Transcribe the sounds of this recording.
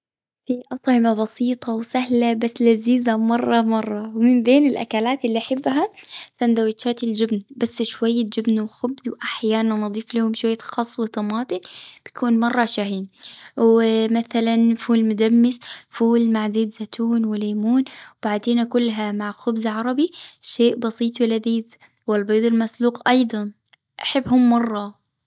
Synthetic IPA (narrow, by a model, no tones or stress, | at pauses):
fiʔɑt̪ˤʕɪmabɑsiːt̪ˤʰɑwsahlabasːlaziːzamɑrˤːɑmɑrˤːɑwmɪmbeːnɪlʔa̰kaːlaːt̪ɪlːiʔaħɪbːɦaθand̪awɪt̪ʃaːt̪ɪld͡ʒɪbnbasːʃwajːad͡ʒɪbnwɪxʊbzwʔaħjaːnanːɨd̪ˤiːflahʊmʃwajːaxɑsˤːwɪt̪ɑmɑːt̪ˤɨnb̥ɪt̪kuːnmɑrˤːɑʃaɦiːnwmaθalanfuːlmʊd̪amːɪsfuːlmaʕd̪iːd̪zat̪ʰuːnwɪleːmuːnwbaʕd̪eːnakʊlːɦamaʕxʊbzʕɑɾˤɑbiʃeːʔbɑsˤiːt̪ˤwɪlaðiːð | wɪlbeːd̪ˤɪlmasluːqʔɑjd̪ˤɑn | ʔaħɪbːɦʊmːɑrˤːɑ